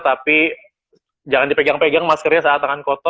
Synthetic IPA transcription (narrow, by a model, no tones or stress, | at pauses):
t̪api | d͡ʒaŋandipeɡaŋpeɡaŋmaskərɲasaat̪aŋankɔt̪ɔ